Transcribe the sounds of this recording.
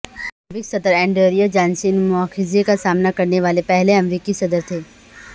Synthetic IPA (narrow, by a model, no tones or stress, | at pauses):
ʋɪksɐd̪əɾɛ̃ːɳɖəːɾijad͡ʒaːnsinmʊaːxɪzekasaːmnakɐɾneʋaːlepɛɦleɐmɾiːkisɐd̪əɾt̪ʰeː